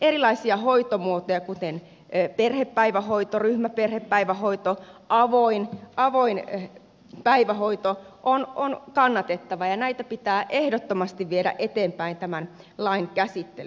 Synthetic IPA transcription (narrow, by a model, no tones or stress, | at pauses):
erilɑisiɑhoit̪omuot̪ojɑkut̪en | perhepːæiʋæhoit̪oryhmæperhepːæiʋæhoit̪oʔɑʋoinʔɑʋoin | pæiʋæhoit̪oʔononkɑnːɑt̪et̪ːɑʋɑjɑnæit̪æpit̪æːʔehdot̪ːomɑst̪iʋʋieɾæ̰ʔet̪eːmpæint̪æmæn | lɑinkæsit̪ːelyn